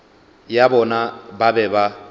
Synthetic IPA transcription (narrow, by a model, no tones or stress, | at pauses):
jabɔnababɛba